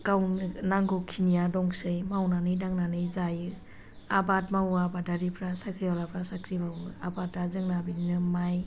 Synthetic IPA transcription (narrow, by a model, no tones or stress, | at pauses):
kawnnaŋɡɔkʰinijadɔŋsɯjmawnanɯjnaŋnanɯjzajɯ | abatmawabadaɾipʰɾasakʰɾialapʰɾasakʰɾimawɯabatːazɯŋnabininɯmaj